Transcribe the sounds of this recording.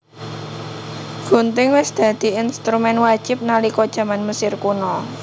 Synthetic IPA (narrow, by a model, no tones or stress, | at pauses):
ɡ̥o̤nt̪ɪŋwɪsd̪̥ä̤d̪̥i̤inst̪ɾumɛnwad̥ʒ̥ɪ̤p̚nalikɔd̥ʒ̥ä̤manməsɪrkunɔ